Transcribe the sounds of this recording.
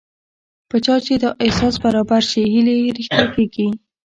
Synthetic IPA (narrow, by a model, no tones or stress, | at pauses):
pət͡ʃɑt͡ʃed̪əʔɪsɑsbaɾɑbaɾʃeɦileɾixt̪ɑkeɡi